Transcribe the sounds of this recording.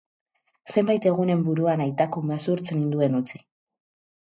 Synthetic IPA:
se̞mbajt̪e̞ɣ̞une̞mbuɾuanajt̪akumesuɾt͡senind̪ue̞nut͡si̥

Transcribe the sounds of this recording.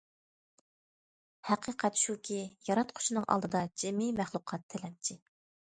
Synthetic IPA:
hæqʰəqʰɛt̪ʃukʲʰijɑɾɑt̪qʰʊ̥ʃinɨŋʔɑ̰lˠd̪ɨd̪ɑd͡ʒemimæχlˠʊqʰɑt̪ʰːɪlɛmt͡ʃʰɪ

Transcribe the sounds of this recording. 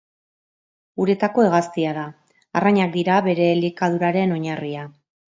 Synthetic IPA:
uɾe̞t̪ako̞eɣ̞ast̪iaðaː | raɲak̚d̪iɾaβe̞ɾe̞likað̞uɾaɾe̞no̞ɲaria

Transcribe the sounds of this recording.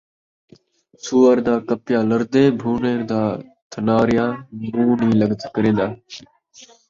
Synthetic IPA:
suːəɾd̪aːkəpjaːləɾd̪eːbʱuːneːɾd̪aːt̪ʰənaːɾɪjãːnuːniːləɡt̪ʰkəɾẽːnd̪aː

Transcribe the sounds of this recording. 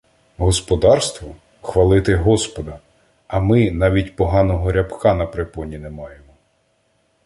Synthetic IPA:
ɦɔspɔd̪ɑrst̪ʋɔ | xʋɐlˠɪt̪ɪɦɔspɔd̪ɐ | ɐmɪnɑʋʲitʲpɔɦɑnɔɦɔɾʲɐpkɑnɐpɾepɔnʲinemɑjemɔ

